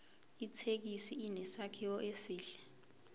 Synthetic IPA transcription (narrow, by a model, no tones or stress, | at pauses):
itʰek̬isiinɛsakʰiwɔʔesiːɬɛ̥